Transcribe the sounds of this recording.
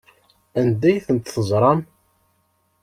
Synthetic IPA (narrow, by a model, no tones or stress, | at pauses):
ænd̪æjθənt̪θəzˤɾˤɑm